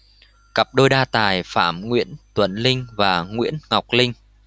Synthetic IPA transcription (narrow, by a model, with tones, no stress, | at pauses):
kə˨˩p̚ɗoː˧jɗaː˧t̪aː˨˩jfa̰ː˧˩mŋwḭ˧˥ənt̪wə˧˩nlï˧ŋ̟vaː˨˩ŋwḭ˧˥ənŋa˨˩wk͡p̚lï˧ŋ̟